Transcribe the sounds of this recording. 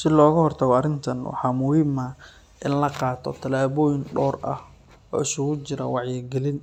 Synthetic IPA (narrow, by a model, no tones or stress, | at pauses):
sɪlɔːɣɐhɔrt̪ʰɐɣɔɐɾɪnt̪ʰɐnwɑ̰ħɑːmʊhiːmɐ | ʔɪnlɐqɑːt̪ʰɔ̰t̪ʰɐlaːβɔːjɪnɖɔːrʔɐ̰h | ɔ̰ːɪsʊɣʊt͡ʃɪɾɐ̰wɑʕjɛɡɛlɪn